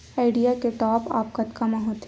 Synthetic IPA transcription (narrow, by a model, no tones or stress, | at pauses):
aːɪɖijakeʈɔːpa̰ːp̚kɐt̪kɐmaɦot̪ː